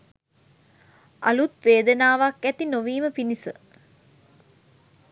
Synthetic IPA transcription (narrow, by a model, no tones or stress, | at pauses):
a̰lut̪ʋeːd̪ənaːʋakːæt̪inoʋiːməpinisə̰